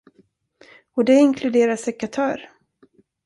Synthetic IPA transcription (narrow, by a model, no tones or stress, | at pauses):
ɔd̪ɛɪnkʰlɵd̪eːɾasɛkat̪ʰœːɾ